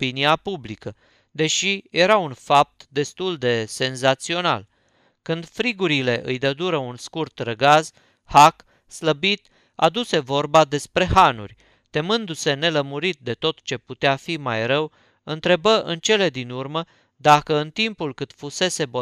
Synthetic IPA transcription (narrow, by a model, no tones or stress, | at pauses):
piniapublikə | d̪e̞ʃije̞ɾaunfap̚t̪d̪e̞st̪uld̪e̞se̞nzat̪sio̞na̰l | kɨnd̪fɾiɡuɾile̞ʔɨ̰jd̪əd̪uɾəunskurt̪rəɡaz | hak | sləbit̪ | a̰d̪use̞vo̞rbad̪e̞spɾe̞hanṵrʲ | t̪e̞mɨnd̪use̞ne̞ləmuɾit̪̚d̪e̞t̪o̞t̪t͡ʃe̞put̪eafimajɾəw | ɨnt̪ɾe̞bəʔɨ̰nt͡ʃe̞le̞d̪inurmə | d̪akəɨnt̪impulkɨt̪fuse̞se̞bo